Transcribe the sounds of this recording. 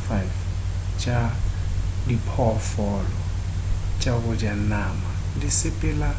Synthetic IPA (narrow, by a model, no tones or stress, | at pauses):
fajf | t͡ʃʼa | dipʰɔfɔlɔ | t͡ʃʼaɣʊd͡ʒanaːma | dɪsɪpʼɛla